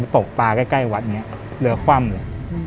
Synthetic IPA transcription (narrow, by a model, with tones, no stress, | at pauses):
t̪o˨˩k̚p̪aː˧ka˥˩jka˥˩jwa˨˦˥t̪̚ŋi˦˥ɐʔ | lɯ˧ɐkʰwaː˥˩mmu˨˩˦